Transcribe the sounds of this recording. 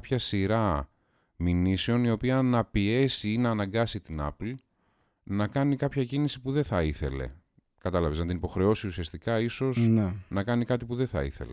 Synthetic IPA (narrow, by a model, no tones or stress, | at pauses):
pçɐsiɾɐ | miniseo̞nio̞piɐnɐpie̞siinɐːnɐŋɡɐsit̪inɐ̰pl | nɐkɐnikɐpçɐcinisipuðeθɐiθe̞̰le̞̰ | kɐt̪ɐlɐveznɐt̪inipo̞xɾe̞o̞siusiɐst̪ikɐiso̞znnɐkɐnikɐt̪ipuðeθɐ̰ḭθe̞̰le